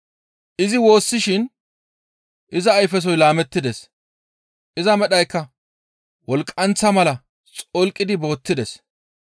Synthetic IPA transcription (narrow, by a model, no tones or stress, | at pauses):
ʔɪzɪwo̞ːsːɪʃɪn | ʔɪzɐːjfɛs̬ɔjlaːmɛt̪ːɪd̪ɛs | ʔɪzɐmɛɗɐjkːɐ | wɔlkʼːɐnt͡sːɐmɐlɐ | t͡sʼɔlkʼːɪd̪ɪbo̞ːt̪ːɪd̪ɛs